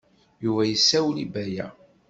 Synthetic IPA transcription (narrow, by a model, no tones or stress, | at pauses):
juvæjəsːæwlibæjæ̰